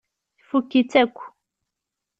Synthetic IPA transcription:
θfukːit͡sːækʷː

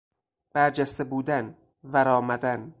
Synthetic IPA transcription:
b̥æɾd͡ʒæst̪ebuːd̪æn | væɾɒːmæd̪æn

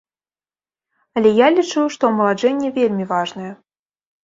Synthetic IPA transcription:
ɐlʲɛjalʲit͡ʂɨwʂt̪ɔmɐlˠaʐɛnʲːɛvʲelʲmʲivaʐnɐjɛ

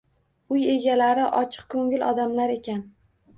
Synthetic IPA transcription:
ʊje̞ɡʲalaɾɪʔɒt͡ʃʰɨ̥q̚kʰɵŋɪlɒ̰d̪amlaɾe̞kʲan

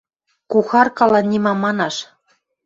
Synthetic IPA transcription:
kuxɑrkɑlɑnʲimɑmɑnɑʃ

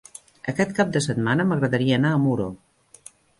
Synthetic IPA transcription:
əkɛt̪̚kap̚d̪əsət̪̚manəməɣɾəðəɾiəːnaːmuɾo

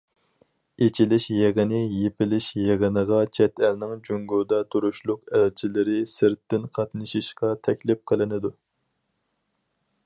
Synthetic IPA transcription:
et͡ʃʰilɪʃjeʁənɪjepɪlɪʃjeʁənəʁɑt͡ʃʰɛt̪ʰælnɪŋd͡ʒyŋɡuɾd̪ɑt̪ʰuɾuʃlˠʊqælt͡ʃʰilɪɾɪsɪɾt̪ːɪnqʰɑt̪nɨʃiʃqɑt̪ʰɛkʲlɪp̚qʰəlˠɪnɪd̪u

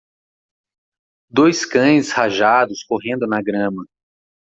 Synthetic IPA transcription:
d̪ojskɐ̃j̃shaʒad̪ʊskoɦẽnd̪ʊnɐɡɾɐ̃mɐ

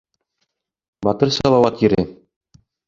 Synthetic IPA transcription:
bɒt̪ɤɾsɒlˠɑwɑt̪jɘ̆ɾɘ

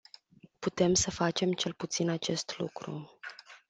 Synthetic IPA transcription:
put̪e̞msəfat͡ʃe̞mt͡ʃe̞lput̪sinat͡ʃe̞st̪lṵkɾṵ

